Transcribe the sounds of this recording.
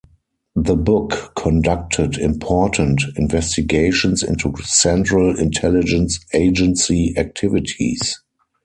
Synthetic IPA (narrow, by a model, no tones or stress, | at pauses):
ðəbʊkːʰɔ̃ndak̚tʰədɪ̃mpʰɔːtʰə̃ntɪ̃nvɛstɪɡeɪʃə̃nsɪ̰̃ntusɛ̃ntɹəlɪ̰̃ntʰɛlɪd͡ʒə̃nseɪd͡ʒə̃nsiæk̚tʰɪvɪtʰḭs